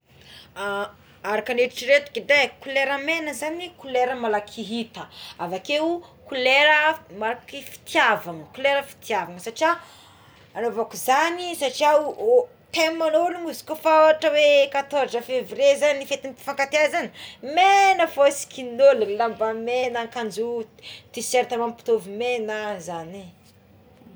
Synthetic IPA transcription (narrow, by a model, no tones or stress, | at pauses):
a | aɾakaneɾiʈ͡ʂiɾet̪u̥kedekuleɾəmenəzanikuleɾəmalakʰiɦit̪əavakewkuleɾəmalakifi̥t̪iavaŋəkuleɾəfi̥t̪iavaŋəsaʈ͡ʂia | anovakuzanisaʈ͡ʂia | t̪emːanolumuzi̥kofaaʈ͡ʂəwekat̪oɾzəfevrezanifet̪impi̥faŋkat̪eazanəmenəfosi̥kinollambamenakand͡ʒut̪iseɾt̪amampi̥t̪ovimenəzani